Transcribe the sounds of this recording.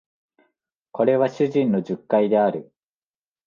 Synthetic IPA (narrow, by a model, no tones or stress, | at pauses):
ko̞ɾe̞βaɕɨʑĩno̞ʑɨkːaid̪e̞aɾɯ̟